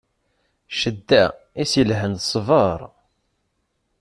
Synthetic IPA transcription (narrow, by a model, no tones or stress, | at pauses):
ʃəd̪ːæ | isilɦənsˤvəɾˤ